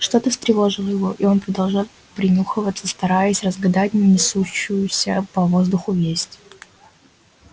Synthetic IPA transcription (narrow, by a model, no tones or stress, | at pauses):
ʂt̪o̞t̪əst̪ɾʲɪvo̞ʐɨlˠjɪvoʔio̞npɾəd̪ɐlˠʐalˠ | pɾʲɪnʲuxɨvət̪sːəst̪ɐɾajəsʲrəzɡɐd̪atʲnʲənʲɪsuɕːʊjʊsʲəpɐvo̞zd̪ʊxʊvʲesʲtʲ